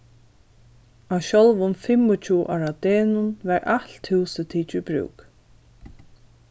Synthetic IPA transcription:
awɕɔlvʊnfɪmʊt͡ʃʰuːʔa̰ɹad̪eːnʊnvɛɹʔalt̪hɪwsət̪ʰiːt͡ʃɪbɹʉ̰ːk

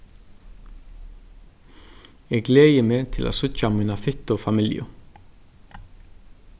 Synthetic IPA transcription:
ɛɡɡleːjɪmeːt̪ʰɪlʔa̰ːsʊcːamiːnafʏt̪ːɔfamɪljʊ̰

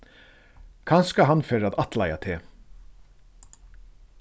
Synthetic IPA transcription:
kʰanskaɦanfɛːɾaðat̪lajat̪ʰeː

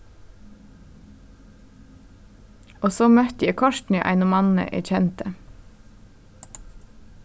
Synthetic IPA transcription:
ʔoːsoːmœt̪jɛːkʰɔʃtn̩əʔæ̰ɪnʊmɑnn̩ə̰ʔæ̰ɾçɛnt̪ə

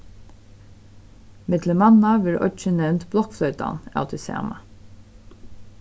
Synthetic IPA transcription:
mɪd̪ləmɑnɑʋɪɾʔɔ̰t͡ʃənɛʉnt̪blɔkflœʏt̪ɑ̰næ̰ʉt̪ʰɪsæ̰ːmɑ

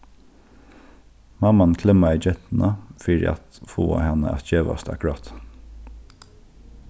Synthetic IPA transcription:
mɑmankʰlɛmaiɪd͡ʒɛt̪n̩ʔɑfiːɾɪ̰ʔa̰t̪fuːa̰hɑnə̰æ̰t̪d͡ʒeːʋa̰st̪a̰kʊɹɑːt̪

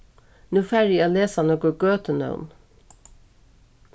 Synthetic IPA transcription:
nʉːfæɾioːleːsɑnɔkəɡøːt̪ənə̰ʊn

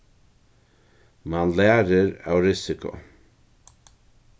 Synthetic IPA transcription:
manlæːɾəɾa̰wɾɪsɪkʰʊ̰

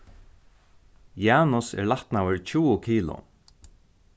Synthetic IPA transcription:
jaːnʊsɛ̰ɹlaht̪nawəɹcʰuːʊkʰiːlʊ̰

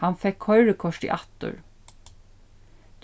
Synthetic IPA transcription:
hanfɛkhɔʏɹɪkʰɔʂʈ̪ḭʔat̪ːʊ̰ɹ | t̪

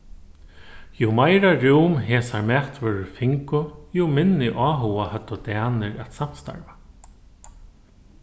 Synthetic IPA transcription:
jumajɾaɾuːmɦeːsaɹmɛt̪ʋœːɾʏfɪŋkʊjumɪnːɪʔɔːɦʊwahœt̪ːʊt̪æːnɪɾat̪sam̥st̪a̰ɾva

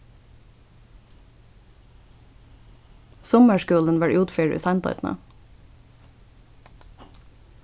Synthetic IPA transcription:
sɔməʃkʉːln̩ʋæɹʔʉːt̪fiːɹʉ̰ːsɑɪnt̪ɔ̰ʏt̪n̩ə̰

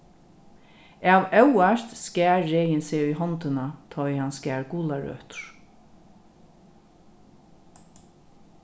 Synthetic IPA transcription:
æwœwaʃt̪skæːɹːɛːjɪnseːʊjɦɔnt̪ɪnat̪ʰɔjhanskæːɹɡuːlaɹœ̰ːht̪ɹ̥

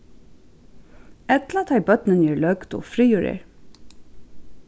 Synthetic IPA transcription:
ɛt̪lat̪ʰhæɪbœt̪nənjɛːɹlœɡd̪ɔ̰fɾiːuːɹɪ̰ɹ

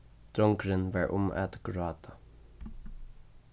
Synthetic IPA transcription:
d̪̥ɾɔŋkɾɪnʋɑɹʔʊ̰ma̰t̪ɡ̥ɹɑːt̪ʰḁ

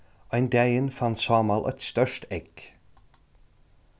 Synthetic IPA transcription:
ɔɛnd̪æɪənfant̪sɑːmɑlʔœ̰t̪st̪œʃtɛk

